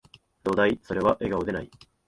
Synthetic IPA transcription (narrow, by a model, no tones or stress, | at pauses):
d̪o̞ːd̪aiso̞ɾe̞βaʔe̞ɡaod̪e̞nai